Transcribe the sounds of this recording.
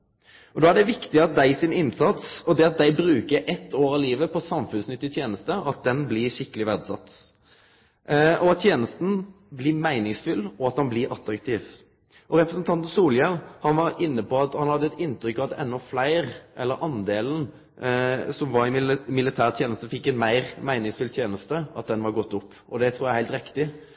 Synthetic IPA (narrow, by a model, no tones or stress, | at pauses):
ɔd̪oːæɖɛʋɪkt̪ɪɑt̪̚d̪æɪsɪnɪnsɑt̪sɔd̪ɛɑt̪̚d̪æɪbɾʉːkəɾʔɛt̪ʰːoːɾɑliːʋəpʰɔsɑmfʉnsnʏt̪ːɪt̪ʰjeːnəst̪əɑt̪̚d̪ɛnblɪʂɪkːəlɪʋæd̪sɑ̰t̪ː | ʔɔɑt̪ːʰjeːnəst̪n̩ | blɪmæɪnɪŋsfʏlːɔɑt̪hɑnblɪɾʔɑt̪ɾɑkt̪ʰiːʋ | ʔɔɾɛpɾəsnt̪ʰɑnt̪n̩suːljɛlhɑnʋɑɾɪnːəpɔɑt̪hɑnhɑd̪ːəɛt̪ɪnt̪ɾʏkːɑʋd̪ʔɛnːɔflæɪɾʔɛlːəɾʔɑnd̪eːln̩ | sɔmʋɑɾɪmɪlɪt̪ʰæːʁt̪ʰjeːnəst̪əfɪkːɛnmæɪɾmæɪnɪŋsfʏlt̪ʰjeːnəst̪əʔɑt̪̚d̪ɛnʋɑɾɡɔt̪ːʊpːʔɔd̪ɛt̪ʰɾuːɾjæhæɪlt̪ɾɪkt̪ɪ